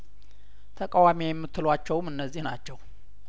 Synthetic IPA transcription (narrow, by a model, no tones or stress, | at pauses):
t̪ʰəkʼawamijɛmːɨt̪ːɨlwat͡ʃːɛwmɨnːəzːihnat͡ʃːɛw